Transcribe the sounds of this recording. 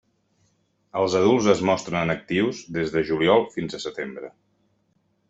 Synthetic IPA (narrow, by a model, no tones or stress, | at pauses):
əlˠzəð̞ulˠzəzmɔst̪ɾənənək̚t̪iwzðezðəʒuliɔlˠfinzəsət̪embɾə